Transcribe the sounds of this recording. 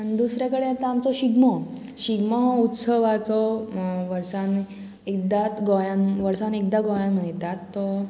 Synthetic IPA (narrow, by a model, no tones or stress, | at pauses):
d̪usɾjakəɽeat̪ɔamt͡sɔɕiɡmɔ | ɕiɡmɔut̪səʋat͡sɔʋəɾsan | ek̚d̪at̪ɡɔjãnʋəɾsanekd̪aɡɔjãnm̤əɳjt̪at̪ːɔ